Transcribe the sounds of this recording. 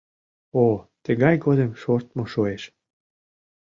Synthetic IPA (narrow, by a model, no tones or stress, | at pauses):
ot̪əɣɑjɡod̪emʃort̪̚moʃoeʃ